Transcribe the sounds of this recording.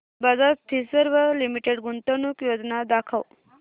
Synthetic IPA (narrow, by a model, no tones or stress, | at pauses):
bazast̪ʰisəɾʋəlimiʈeɖɡunt̪ənukjoːd͡znad̪akʰəw